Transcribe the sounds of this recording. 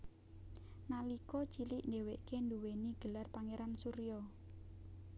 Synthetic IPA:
nalikɔt͡ʃilɪʔndeweʔkend̪uweniɡ̥əlarpaŋeɾansuɾijɔ

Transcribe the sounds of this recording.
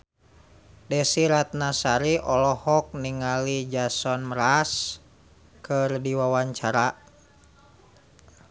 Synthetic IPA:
dɛsiɾat̪̚nasaɾiʔɔlɔhɔk̚niŋalid͡ʒasɔnmɾas | kɨrdiwawaɲt͡ʃaɾa

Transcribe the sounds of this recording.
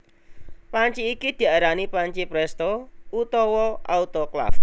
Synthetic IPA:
paɲt͡ʃiːkid̪̥i̤aɾanipaɲt͡ʃipɾɛst̪out̪ɔwɔʔaut̪ɔkla̰f

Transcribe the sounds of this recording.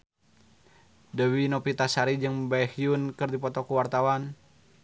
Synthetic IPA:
dəwinɔpit̪asaɾid͡ʒɨŋbaɛhiunkɨrdipɔt̪ɔkuwart̪awan

